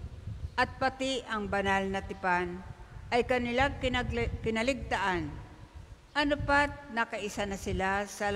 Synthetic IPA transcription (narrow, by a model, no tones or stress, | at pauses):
ʔɐt̪̚pat̪ɪʔɐŋbanalnɐt̪ɪpanʔɐjkɐnɪlakkɪnɐlɪɡ̚t̪aʔan | ʔɐnʊpat̪̚nɐkaʔɪsanɐsɪlasɐ